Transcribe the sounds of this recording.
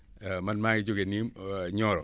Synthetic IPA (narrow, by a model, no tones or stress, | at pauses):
manmaɡɪd͡ʒʊɡenimɲɔɾɔ